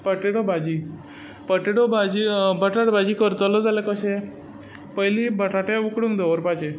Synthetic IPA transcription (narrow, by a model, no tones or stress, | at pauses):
pəʈeɽobad͡ʑi | pəʈeɽobad͡ʑibəʈaʈbad͡ʑiːkəɾt͡səlɔd͡zalekəɕe | pəjlibəʈaʈjaukɽuŋkd̪ɔʋəɾpat͡ɕe